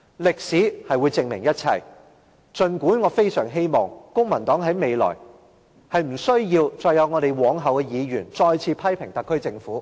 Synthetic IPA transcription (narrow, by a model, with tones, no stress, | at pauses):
lɪ˨k̚siː˨˥hɐ˨jwu˨˧jt͡sɪ˨ŋmɪ˨˩ŋjɐ˥t̚t͡sʰɐ̰˨˩j | t͡ʃɵ˧nkuː˨˥nŋɔː˨˧fe˥jsœ̰ː˨˩ŋɦe˥jmɔː˨˩ŋkʊ˥ŋmɐ˨˩nt̪ɔː˨˥ŋɦɐ˨˥jme˨˧jlɔ̰ː˨˩j | hɐ˨jm̩˨˩sɵ˥ɥjiː˧wt͡ʃɔː˧jɐ˨˧wŋɔː˨˧ɾe˨˩jwɔː˨˥ŋɦɐ˨wkɛ˧jiː˨˧ɥyː˨˩nt͡sɔː˧jt͡sʰiː˧pʰɐ˥jpʰɪ˨˩ŋt̪ɐ˨kʰːɵ˥ɥt͡sɪ˧ŋfuː˨˥